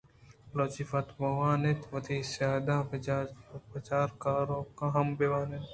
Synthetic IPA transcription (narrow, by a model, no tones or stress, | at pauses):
loːt͡ʃifɐt̪bɐʋaːnet̪ʋɐt̪isaːd̪ã | pɐt͡ʃaːɾkaːɾoːkãɦɐmbeʋaːnet̪